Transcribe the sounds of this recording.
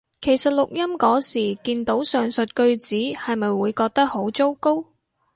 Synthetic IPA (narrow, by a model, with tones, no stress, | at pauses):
kʰe˨˩jsɐ˨t̚lʊ˨k̚jɐ˥mkɔː˨˥siː˨˩kiː˧nt̪o˨˥wsœː˨˩ŋsɵ˨t̚kɵ˧ɥt͡siː˨˥hɐ˨jmɐ˨jwuː˨˧jkɔː˧k̚t̪ɐ˥k̚ho˨˥wt͡so˥wko˥w